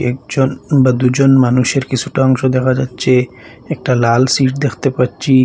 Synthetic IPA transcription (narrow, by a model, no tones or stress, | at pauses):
ɛk̚d͡ʑonbad̪ud͡ʑonmanuʃeɾkit͡ɕʰuʈaɔŋʃod̪ɛkʰad͡ʑatːɕʰe | ɛk̚ʈalalsiʈ̚d̪ekʰt̪epaːɕʰi